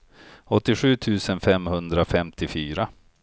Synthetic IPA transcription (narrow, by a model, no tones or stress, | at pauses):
ɔt̪ːɪɧʉ̟ːt̪ʰʉ̟ːsənfɛmhɵnd̪ɾafɛmt̪ʰɪfyːɾa